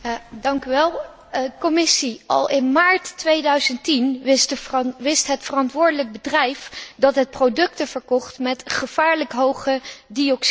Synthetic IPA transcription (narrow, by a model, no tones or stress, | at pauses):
jadɑŋkyʋɛlˠ | kɔmɪsiɑ̰lˠʔɪnmaːɹtːʋejdœɥzəntintʋɪstɦətfərɑntʋʊːɹdələk̚bədrɛjfdɑtɦət̚prowdɵk̚təv̥əɹkɔχtmɛtχəv̥aːɹləkɦowχədiɔks